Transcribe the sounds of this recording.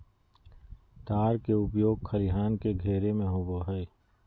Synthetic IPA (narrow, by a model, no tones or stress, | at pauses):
t̪aːɾkeʊpjoːɡkʰɐliɦaːnkeɡʱeːɾemẽɦoːboɦɛː